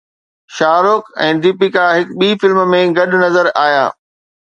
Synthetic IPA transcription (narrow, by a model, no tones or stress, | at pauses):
ʃaːɾʊkɛ̰̃ːd̪ɪpikaɦɪkɓiːfɪlmmẽɡɐɗnɐzəɾaːjaː